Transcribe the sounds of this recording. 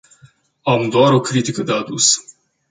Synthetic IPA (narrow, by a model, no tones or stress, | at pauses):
amd̪oaɾo̞kɾit̪ikəd̪ead̪us